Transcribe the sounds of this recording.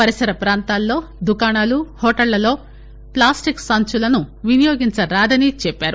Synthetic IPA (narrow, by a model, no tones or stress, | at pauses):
pɐɾisɐɾɐpɾaːnt̪aːlːo̞ːd̪ukaːnaːluhɔːʈɐlːɐlo̞ː | plaːsʈiksɐnt͡ʃulɐnuʋinijoːɡiɲt͡ʃɐɾaːd̪ɐnit͡ʃɛpːaːɾu